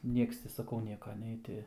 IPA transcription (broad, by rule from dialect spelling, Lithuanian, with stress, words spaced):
ˈnʲiɛks tʲɪ sɐˈkɐʊ ˈnʲiɛkɐ ˈnʲɛɪ tʲɪ